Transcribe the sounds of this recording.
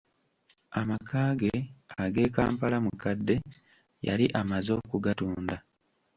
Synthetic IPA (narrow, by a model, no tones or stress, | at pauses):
amakʰaːɡeaɡe̞ːka̰ːmpalamukadːe̞ | ja̰liʔamazo̞ːkuɡatuːnda